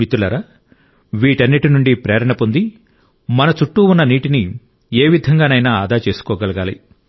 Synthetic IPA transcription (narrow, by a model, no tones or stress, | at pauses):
it̪ulɐɾɐ | ʋiːʈɐnːiʈinuɳɖipɾɛːɾɐɳɐpond̪i | mɐnɐt͡ʃuʈːuunːɐniːʈini | eːʋid̪ʱɐŋɡaːnɐjnaːaːd̪ʱaːt͡ʃeːsu̥kɔːɡɐlɐɡaːlḭ